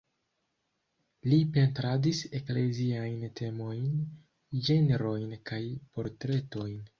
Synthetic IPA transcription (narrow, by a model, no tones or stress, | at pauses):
lipe̞ntɾadise̞kle̞ziajntʰe̞mo̞jn | d͡ʒe̞neɾo̞jnkajpo̞ɾtɾe̞to̞jn